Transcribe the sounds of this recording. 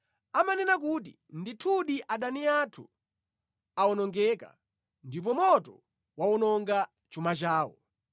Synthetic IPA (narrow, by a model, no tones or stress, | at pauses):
amanɛnakut̬i | nditʰuɗiʔaɗaniatʰṵ | aɔnɔŋɡɛka̰ | ndip̬ɔmɔtɔ̰ | wawɔnɔŋɡa | t͡ʃumat͡ʃaːwɔ̰